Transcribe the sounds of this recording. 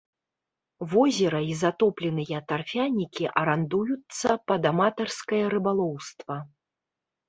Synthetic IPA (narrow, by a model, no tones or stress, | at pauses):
vɔzʲɛɾɐizat̪ɔplʲɛnɨjɐt̪arfʲanʲikʲiʔɐɾand̪ujut̪sːɐpɐd̪amat̪ɐrskɐjɐɾɨbalˠɔwst̪vɐ